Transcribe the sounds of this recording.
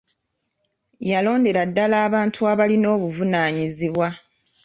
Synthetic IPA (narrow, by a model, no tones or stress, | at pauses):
jalo̞ːnde̞ɾadːalaːβaːntʰuaβalino̞ːβuvunaːɲiziβwa